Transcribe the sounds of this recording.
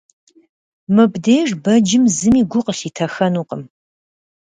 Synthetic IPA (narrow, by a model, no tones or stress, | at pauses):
mɨbdeːjʐbɐd͡ʒɪmzɨmiːɡʷʊqəɬiːtʰɐxɐnuːqəm